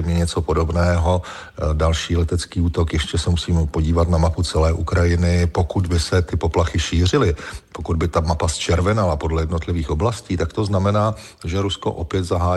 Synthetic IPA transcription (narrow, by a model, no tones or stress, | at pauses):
mɲɛɲɛt͡so̞po̞do̞bnɛːɦo̞ | dalʃiːlɛt̪ɛt͡skiːuːt̪o̞kjɛʃcɛsɛmusiːmɛpo̞ɟiːvat̪namaput͡sɛlɛːʔukɾajɪnɪpo̞kud̪bɪsɛt̪ɪpo̞plaxɪʃiːr̝ɪlɪpokud̪bɪt̪amapast͡ʃɛɾvɛnalapo̞dlɛjɛdnot̪lɪviːxo̞blasciːt̪akt̪o̞znamɛnaː | ʒɛɾusko̞̰ʔo̞pjɛt̪zaɦaː